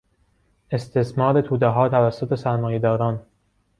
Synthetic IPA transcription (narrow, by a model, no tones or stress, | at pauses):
e̞st̪ʰesmɒːɾe̞t̪ʰuːd̪eɦɒːt̪ʰævæsːot̪ʰe̞sæɾmɒːjed̪ɒːɾɒːn